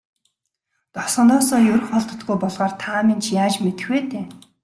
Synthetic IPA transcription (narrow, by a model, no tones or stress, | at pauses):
t̪ɔsɞ̆nt̪ɔːsɔːjɵɾɵ̆χɔɮt̪ə̥̆t̪ɡujpɔɮʁaːrt̪ʰaːmint͡ɕʰjaːt͡ɕmet̪ɘ̆xweːt̪ʰeː